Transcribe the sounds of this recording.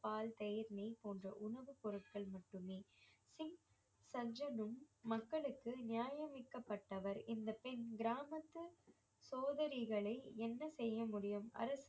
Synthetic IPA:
paːlt̪ɛjɐɾnɐɪpoːndrɐ̰ʔʊɳɐʋɯpɔɾɯʈ̚kɐɭmɐʈːɯmeːsɪŋ | sɐd͡ʒɐnɯmːɐkːɐɭɯkːɯnɪjaːjɐmɪkːɐpːɐʈːɐʋɐɾɪnd̪ɐpɛnɡɪɾaːmɐt̪ːɯ | soːðɐɾɪɣɐɭɐɪɛnːɐsɛjːɐmʊɽɪjɯmɐ̰ɾɐs

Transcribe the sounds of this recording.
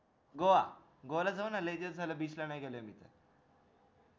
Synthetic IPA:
ɡoʋa | ɡoʋalad͡zaʋənaled̪əd͡zʱaləbiːslanajɡeləjmiːt̪ɛ̰

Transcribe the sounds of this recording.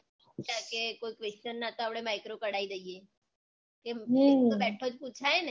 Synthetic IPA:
kakekoikʋest͡ʃənːat̪oapɽemajkɾokəɽaid̪əie | keɦeobɛʈʰod͡ʒput͡ʃʰaene

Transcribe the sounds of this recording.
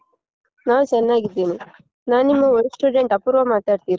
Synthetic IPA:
naːʋt͡ʃɛnːaːɡid̪ːiːni | naːnimːɐoɾsʈuːɖeɳʈɐpːuːɾʋɐmaːʈaːɖt̪iːɾi

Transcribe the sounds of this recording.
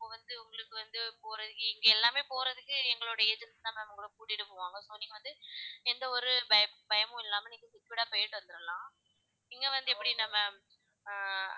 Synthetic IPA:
ɪpːoːʋɐnd̪ɯʊŋɡɐɭɯkːɯʋɐnd̪ɯpoːɾɐðɯkːɯɪŋɡeɛlːaːmeːpoːɾɐðɯkːɯɛŋɡɐɭoːɽɐeːd͡ʒɛnsnaːmɐʋɐŋɡɐɭɯkːɯkuːʈːɪʈːɯpoːʋaːŋɡɐsoːnːiːŋɡɐʋɐnd̪ɯɛnd̪ɐɔɾɯbɐjɐbɐjɐmʊ̃ɪlːaːmɐniːŋkːɐsɪʈːʋɪɽaːpɔjɐɾʈːɯʋɐnd̪ɯɾɐlãː | ɪŋɡeʋɐnd̪ɯɛpːɐɽinɐmɐ

